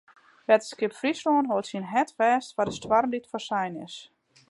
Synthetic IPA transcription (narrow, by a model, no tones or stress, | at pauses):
ʋɛtə̥skɪpfrisloənɦoətsinɦɛtʋɛːstʋadəstwarmditfɔrsɛjnɪ̰s